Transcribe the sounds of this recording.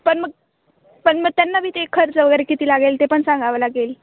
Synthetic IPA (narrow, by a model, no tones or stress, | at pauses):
pəɳməɡ̚ | pəɳməɡ̚t̪janːabʱiːt̪ekʰəɾt͡səʋəɡəɾekit̪iːlaɡelt̪epəɳsãŋɡaʋlaɡel